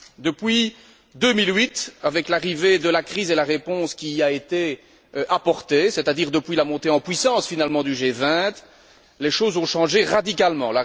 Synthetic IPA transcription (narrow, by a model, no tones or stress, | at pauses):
d̪əpɥi | d̪ømilɥit̪avɛklaʁived̪əlakχiːzelaʁepɔ̃skʲiːaet̪e | øʔapɔʁt̪eset̪ad̪iːʁd̪əpɥilamɔ̃t̪eɑ̃pɥisɑ̃sfinalmɑ̃d̪yʒevɛ̃t̪ | leʃoːzɔ̃ʃɑ̃ʒeʁad̪ikalmɑ̰̃la